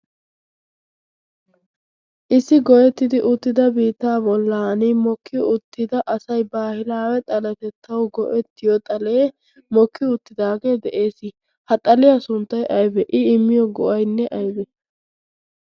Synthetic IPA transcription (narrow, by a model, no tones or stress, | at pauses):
ʔɪsːɪɡɔʔɛt̪ːɪd̪ɪʔʊt̪ːɪd̪ɐbiːt̪ːaːbɔlːɐɐnimɔkːɪjʊt̪ːɪd̪ɐʔɐsɐjbaːhɪlaːwɛt̪ʼɐlɐt̪ɛt̪ʰːɐwɡɔʔɛt̪ːɪjɔt̪ʼɐleː | mɔkʰːɪʊt̪ːɪd̪aːɡe̞ːd̪ɛʔe̞ːsɪ | hɐt̪ʼɐlɪjasʊnt̪ːɐjʔɐjbɛʔɪɪmːɪjɔɡɔʔɐjnːɛʔɐjbɛ